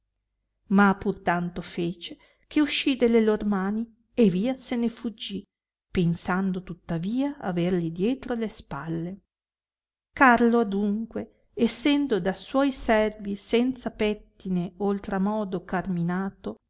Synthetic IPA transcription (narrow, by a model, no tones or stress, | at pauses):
mapːurt̪ant̪ofeːt͡ʃe | kʰeuʃːid̪elːeloɾmaːni | eviːasenefud͡ʒːi | pensand̪ot̪ut̪ːaviːaa̰verlid̪jɛːt̪ɾolespalːe | karload̪uŋkweː | sːɛnd̪od̪aswɔjsɛrvisɛnt̪sapɛt̪ːineolt̪ɾamɔːd̪okarminaːt̪o